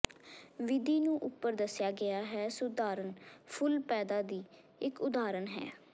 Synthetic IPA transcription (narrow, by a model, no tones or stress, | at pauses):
ʋɪd̪iːnũːʔʊpːəɾd̪əsjaːɡɪaːɦɛːsʊd̪aːɾənpʰʊlpɛːd̪aːd̪iː | ɪkʊd̪aːɾənɦɛ̰ː